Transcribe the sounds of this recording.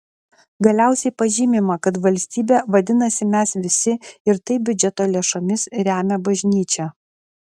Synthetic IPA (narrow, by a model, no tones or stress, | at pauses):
ɡɐlʲæˑʊsʲɛɪpɐʒʲiːmʲɪmɐkɐt̪ʋɐlʲsʲt̪ʲiːbʲeːʋɐd̪ʲɪnɐsʲɪmʲæsʋʲɪsʲɪɪɾt̪ɐɪbʲʊd͡ʒʲɛt̪oːlʲeɛʃɐmʲɪsɾʲæːmʲɛbɐʒʲnʲiːt͡ʃʲɛ